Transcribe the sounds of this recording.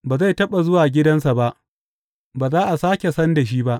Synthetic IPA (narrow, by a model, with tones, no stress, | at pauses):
baː˨za˦˨jtɐ˦ɓa˨zʊ˦waː˨ɡʲɪ˦dɐ˦ns̬a˨ba˦ʔ | baː˨zaː˦ʔa˨saː˦kʲe˨sɐ˦nda˨ʃ̬iː˦ba˦ʔ